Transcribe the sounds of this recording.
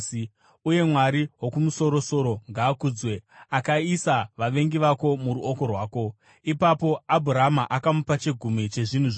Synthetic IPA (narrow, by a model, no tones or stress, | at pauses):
uje̞mwaɾiwo̞kumuso̞ɾo̞so̞ɾo̞ŋɡaːkud͡zwe̞akaisaʋaʋe̞ŋɡiʋako̞muɾuoko̞rwaːko̞ | ipapo̞abʱuɾamaʔakamupat͡ʃeɡʱumit͡ʃe̞ʐin̤uʐ